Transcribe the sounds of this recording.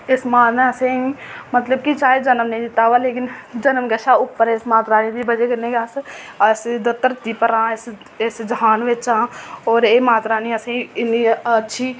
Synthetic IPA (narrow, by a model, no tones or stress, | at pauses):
ɪsmaːnẽɐseĩmət̪ləb̚kit͡ʃaːed͡ʒɐnəmnɛĩd͡ʒɪt̪aːʋaːleːkɪnd͡ʒɐnəmɡəʃaʊpːəɾɪsmaːt̪ɾaːnĩd̪ibəd͡ʒeɡəneːɡas | əsd̪ət̪ːəɾt̪iːpəɾãːɪs | ɪsd͡ʒɦaːnʋet͡ʃãːɔːɾeːmaːt̪ɾaːnĩəsẽĩɪniətːʃʰiː